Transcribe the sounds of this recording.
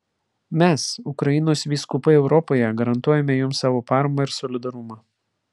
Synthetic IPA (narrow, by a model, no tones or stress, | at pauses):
mʲɛsʊkɾɐɪnoːsʋʲiːskʊpɐɛʊɾɔpoːjɛɡɐɾɐnt̪uɔjɛmʲɛjʊmsɑːʋoːpɑːɾɐmoɪɾsɔlʲɪd̪ɐɾʊmɑː